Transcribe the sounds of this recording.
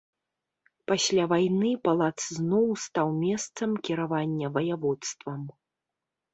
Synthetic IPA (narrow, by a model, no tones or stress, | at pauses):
pasʲlʲavajnɨpalˠat̪sznɔwst̪awmʲɛst̪sɐmkʲiɾavanʲːɐvɐjavɔt̪st̪vɐm